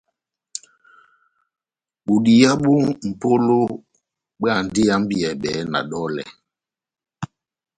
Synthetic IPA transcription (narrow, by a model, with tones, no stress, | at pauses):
ɓu˨ɗi˨ja˦ɓu˦m̩˨po˦lo˦ | ɓɛ˦a˦˨ndi˦a˦m˦bi˨ɛ˨ɓɛ˨˦na̰˨ɗɔ˦lɛ̰˨